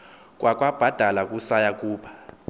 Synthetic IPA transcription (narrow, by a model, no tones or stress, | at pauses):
k̬ʼwʔakʼwab̥ʱad̥ʱalakʼusajakʼuːɓʰḁ